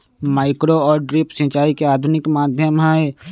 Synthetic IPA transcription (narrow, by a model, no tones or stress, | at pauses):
maːɪkɾoɔːɾɖɾɪpsĩt͡ʃaːikeaːd̪ʱʊnɪkmaːd̪ʱjəmɦae